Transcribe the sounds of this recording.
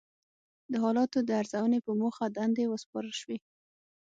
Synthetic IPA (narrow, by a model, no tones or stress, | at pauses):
d̪əɦɑlɑt̪od̪əaɾzawənepəmoxad̪and̪ewəspɑɾəlʃwe